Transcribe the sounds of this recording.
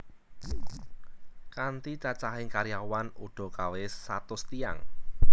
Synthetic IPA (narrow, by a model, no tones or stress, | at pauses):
kant̪it͡ʃat͡ʃaɦɪŋkaɾijawanuɖ̥ɔ̤kawɪsat̪ʊst̪ia̰ŋ